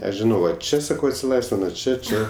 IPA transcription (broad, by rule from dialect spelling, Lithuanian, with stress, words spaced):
ˈɐʃ ʒʲɪˈnɐʊ ˈʋɐ ˈt͡ʃʲɛ sɐˈkɐʊ ɐtʲsʲɪˈlˠɐɪsʲʋʲɪnɐ ˈt͡ʃʲɛ ˈt͡ʃʲɛ